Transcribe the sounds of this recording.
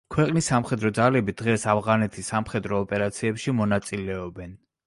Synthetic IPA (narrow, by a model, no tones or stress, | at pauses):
kʰwɛqʼnisːamχɛd̪ɾɔd̪zalɛbid̪̥ʁɛsavʁanɛt̪ʰisːamχɛd̪ɾɔːpʼɛɾat̪sʰiɛpʃimɔnat̪sʼilɛɔbɛn